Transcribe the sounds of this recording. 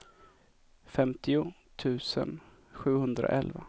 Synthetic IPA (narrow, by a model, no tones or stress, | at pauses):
fɛmt̪ʰɪʊ | t̪ʰʉ̟ːsə̰n | ɧʉ̟ːhɵnd̪ɾa̰ʔɛlva